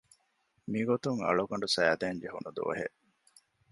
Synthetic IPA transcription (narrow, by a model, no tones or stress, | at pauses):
miɡot̪uŋɐ̰ɭuɡɐɳɖusɐjæd̪æːnd͡ʒeɦunud̪ṵʋɐ̰ɦḛʔ